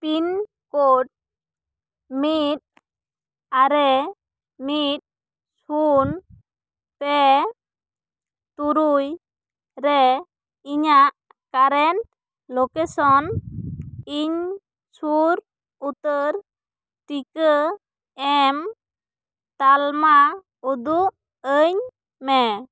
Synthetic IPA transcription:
pin | koʈ̚ | mit̪̚ | aɾɛ | mit̪̚ | sun̚ | t̪ɛ | t̪uɾuj | ɾɛ | iɲaʔ | kaɾɛn | lokesɔn | iɲ | suɾ | ut̪əɾ | ʈikə | ɛm | t̪alma | ud̪uʔ | əɲ | mɛ

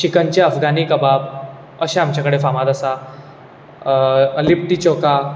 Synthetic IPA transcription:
ɕikəɲt͡ɕeəfɡʱaniːkəbab | əɕeamt͡ɕjakəɽefamad̪asa | əlip̚ʈiːt͡ɕoka

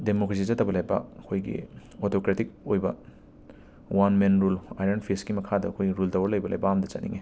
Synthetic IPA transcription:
demokɾes̬izɐtːɐbɐlɐjbɐ̰ɐkʰojɡḭ | otʰokɾetik̚ojbɐ | wanmenɾula̰jɾenpʰisɡimɐkʰadɐɐkʰojɡiɾuldɐwɐɾlɐjbɐlɐjbɐamdɐt͡ʃɐt̚nḭŋe

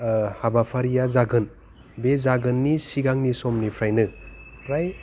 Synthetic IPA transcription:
habapʰaɾijazaɡɯn | bezaɡɯnːisiɡaŋnisɔmnipʰɾajnɯ | pʰɾaj

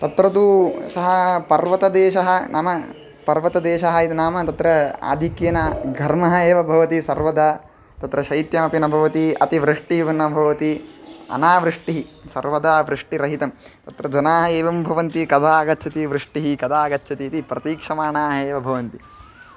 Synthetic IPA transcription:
t̪ɐt̪ɾɐd̪usɐɦɐpɐɾʋɐt̪ɐd̪eːʃɐɦɐnʔaːmɐ | pɐɾʋɐt̪ɐd̪eːʃɐɦɐit̪inaːmɐt̪ɐt̪ɾɐa̰ːd̪ʱikjɐnɐɡʱɐɾmɐɦɐeːʋɐbʱɐʋɐt̪isɐɾʋɐd̪ʱaː | t̪ɐt̪ɾɐʃɐjt̪jɐmɐpinɐbʱɐʋɐt̪iɐ̰t̪iʋɾɨʂʈiʋɐnːɐbʱɐʋɐt̪iɐ̰naːʋɾɨʂʈiɦisɐɾʋɐd̪ʱaːʋɾɨʂʈiɾɐɦit̪ɐm | t̪ɐt̪ɾɐd͡ʒɐnaːɦɐeːʋɐmbʱɐʋɐnt̪ikɐd̪ʱaːɐɡɐtːt͡ʃʰɐt̪iʋɾɨʂʈiɦikɐd̪ʱaːɡɐtːt͡ʃʰɐt̪it̪ipɾɐt̪iːkʂɐmaːɳaːɦɐeːʋɐbʱɐʋɐnt̪i

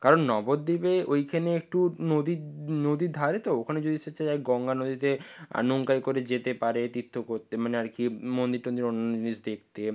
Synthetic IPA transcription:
kaɾonːɔbod̪ːibeojkʰaneek̚ʈunod̪inod̪id̪ʱaɾet̪ookʰaned͡ʑod̪ist͡ɕʰːaaɡɔŋɡanod̪it̪ea̰noŋkajkoɾed͡ʑet̪epaɾet̪it̪ʰːokoɾt̪emaneaɾkimond̪iɾoniɾonːod͡ʑonisd̪ek̚ʰt̪e

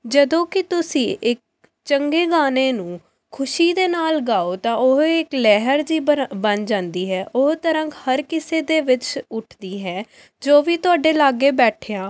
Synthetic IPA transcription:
d͡ʒəd̪õːkɪt̪ʊsĩːʔɪk̚ | t͡ʃəŋɡeːɡaːneːnũː | kʰʊʃiːd̪eːnaːlɡaːoːt̪ãːʊɦɪklɛːɦəɾd͡ʒiːbənd͡ʒãːnd̪iːɦɛːʔʊɦt̪əɾə̃ŋkhəɾkɪseːd̪eːʋɪt͡ʃʊʈʰd̪iːɦɛː | d͡ʒoːʋiːt̪ʊaːɖeːlaːɡeːbɛːʈʰeːãː

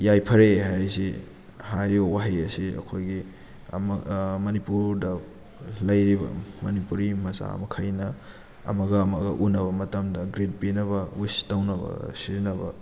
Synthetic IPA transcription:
jajpʰɐɾeɦajɾisi | hajɾibɐwaɦiɐsiɐ̰kʰojɡḭ | mmɐnipuɾdɐ | lɐjɾibɐ̰mɐnipuɾimɐsa̰mɐkʰajnɐ | ɐ̰mɐɡɐːmɐɡɐ̰ʔunɐβɐmɐtɐmdɐɡɾid̚pinɐβɐistawnɐbɐ̰sizinɐbɐ̰

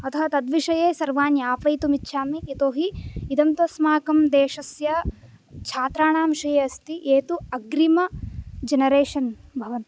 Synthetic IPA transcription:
ɐt̪ʰɐɦɐt̪ɐd̪ʋiʂɐjeːsɐɾʋaːnjaːpɐjt̪umitːʃʰaːmiːt̪oːɦiːd̪ɐmt̪ɐsmaːkɐmd̪eːʂɐsjɐ | t͡ʃʰaːt̪ɾaːɳaːmʃɐjeɐst̪iʔeːt̪uɐɡɾimɐd͡ʒɐnɐɾeːʂɐnbʱɐʋɐnt̪

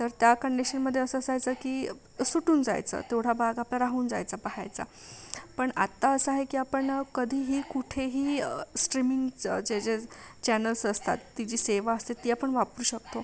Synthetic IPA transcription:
t̪əɾt̪jakəɳɖiɕənməd̪ʱːjeəsəd͡zajt͡səkiː | suʈuːnd͡za̰jt͡sə̰ːt̪eʋɽ̤abʱaɡaplaɾaɦuːnd͡za̰jt͡sapaɦa̰jt͡sa̰pəɳa̰t̪ːaəsəaɦekiːapəɳkəd̪ʱiːɦiːkuʈʰeɦiːsʈɾimiŋɡd͡zed͡zet͡ɕænəlsəst̪a̰t̪ːid͡ʑiːseʋaəst̪et̪ːiːapəɳʋapɾuːɕəkt̪o

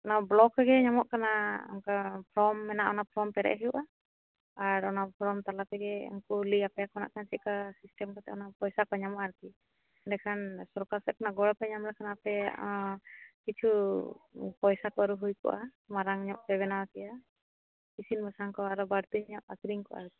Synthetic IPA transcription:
ɔnablɔkɛɡɛɲamɔʔkanaɔ̰mkapʰɾɔmːɛnaʔɔnapʰɾɔmpɛɾɛ̰ʔɦijuʔa | aɾɔnapʰɾɔmt̪alapɛɡɛɔ̰nkuliapɛjakɔna̰ʔkant͡ʃikasisʈɛmkɔt̪ɛɔnapɔjsakɔɲamɔʔaɾki | dɛkʰansɔɾkaɾsɛkɔnaɡɔɽpɛɲamlakʰanaapɛ | kit͡ʃʰu | pɔjsakɔaɾuɦujkɔ̰ʔa̰ | maɾaŋɲɔʔ̚pɛβɛnawakɛja | kisinbʱasaŋkɔaɾɔbaɾt̪iɦiɲɔʔakɾiŋkɔʔa̰ɾk̪i̥

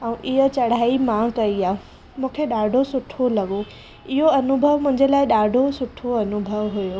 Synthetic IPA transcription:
ə̃ũʔɪɦə̆t͡ɕɐɽ̤aːimãkɐiaː | mũːkʰeɗaːɖʱosʊʈʰolɐɠo | ɪɦoɐnʊbʱəʋmʊ̃ɦɪ̃ɲ̆d͡ʑelaːɪɗaːɖʱosʊʈʰoɐnʊbʱəʋɦʊjoː

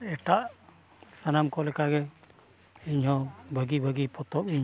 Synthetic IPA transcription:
ɛʈaʔ | sanamkɔlɛkaɡɛ | iɲɦɔbʱəɡibʱəɡipɔt̪ɔpiɲ

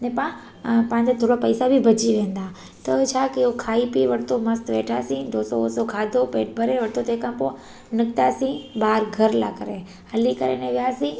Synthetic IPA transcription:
nɛ̃pã | pãːɲd͡ʑot̪ʰoːɽopɐɪsabʱibʱɐd͡ʑiʋẽːn̆d̪a | t̪ɐt͡ɕʰaːkijokʰaːipiʋɐɽt̪omɐst̪ʋeːʈʰasĩd̪ʱoːsooːsokʰaːd̪ʱopeːʈ̚bʱɐɾeʋɐɽt̪ʰot̪ekãːpo | nɪkt̪asĩbaːɾɡʱɐɾla̰kəɾe | hɐlikɐɾḛnɛ̃ʋijasĩ

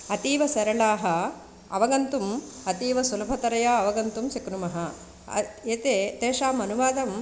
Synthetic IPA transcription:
ɐt̪iːʋɐsɐɾɐɭaːɦɐ | ɐ̰ʋɐɡɐnt̪umɐt̪iːʋɐsulɐbʱɐt̪ɐɾɐjaːɐʋɐɡɐnt̪umsikɾumɐɦɐ | eːt̪eːt̪eːʃaːmɐnuʋaːd̪ɐm

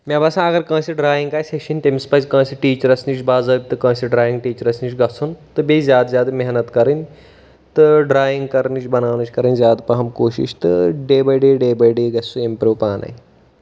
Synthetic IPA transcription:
mʲãbɐsãɐɡɐɾkãːsiɖɾaːjiŋɡaːsekʃɐnʲt̪emispɐt͡ʃʲkɐ̃ːsiʈiːt͡ʃɐɾɐsnit͡ʃʰbaːzɐːbʲit̪ɨkɐ̃ːsiɖɾaːjĩŋɡ̚ʈiːt͡ʃɐɾɐsnit͡ʃʰɡɐsɐnt̪ɨbʲezʲjaːd̪zʲjaːd̪mʲeɦnɐt̪kɐɾɨnʲ | t̪ɨɖɾaːjiŋɡ̚kɐɾnit͡ʃbɐnaːnɐt͡ʃʰʲkɐɾɐnʲzʲjaːd̪pɐɦɐmkoːʃḭʃt̪ɨɖeːbɐɖeːɖeːbɐjɖeːɡɐsuempʲɾoːpaːnɐ̰ːi

